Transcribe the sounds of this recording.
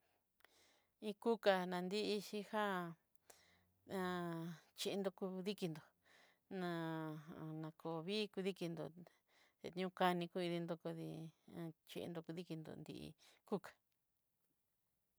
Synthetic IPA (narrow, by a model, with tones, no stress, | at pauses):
ĩ˧ku˦ka˧nã˨˧nd̪i˦i˧ʃĩ˦ha˦ | ã˧t͡ʃi˧ʔnd̪o˧ku˧ði˦ki˧nd̪o˨ | nã˧˨ | nã˧ko˧˨βi˦ku˧ði˦ki˧nd̪o̰˨ | t̪ḛ˨t̪ɲĩ˧ũ˧ka˧nĩ˧ku˦˧i˧ði˧nd̪o˧ko˧ðĩ˧ | t͡ʃḭ˧ʔḭ˧nd̪o˧ku˧ði˦ki˧nd̪o̰˧˨nd̪ḭ˧ʔḭ˧ku˦kḁ˨